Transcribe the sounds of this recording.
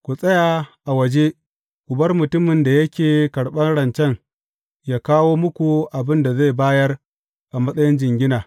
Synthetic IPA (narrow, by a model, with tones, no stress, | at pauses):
kʷu˨sʼɐ˦ja˨ʔa˨wɐ˨d͡ʒeː˦ | kʷʊ˨bɐ˦rmʊ˨tʊ˦mɪ˨nda˨jɐ˦kʲeː˨kɐ˨ɽɓɐ˦nɽɐ˨nt͡ʃɛ˦ŋ | jaː˦kaː˦woː˦mʊ˦kʷu˨ʔa˨bɪ˦nda˨ze˦˨baː˦jɐ˦r | ʔa˨mɐ˦sʼɐ˦jɪ˦nd͡ʒɪ˨ŋɡʲɪ˦naː˨